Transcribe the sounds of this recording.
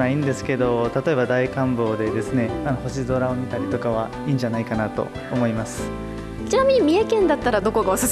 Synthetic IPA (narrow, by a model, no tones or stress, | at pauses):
aĩnd̪e̞sɨ̥ke̞d̪o̞t̪at̪o̞e̞bad̪aikãmbo̞ːd̪e̞d̪e̞sɨne̞ano̞ho̞ɕizo̞ɾao̞mʲit̪aɾʲit̪o̞kaβ̞a | iːɲ̟d͡ʑanaikanat̪o̞̰ | omo̞imasɨ̥ | t͡ɕinamʲiɲ̟imʲiekẽ̞nd̪at̪ːaɾad̪o̞ko̞ɡaosɨs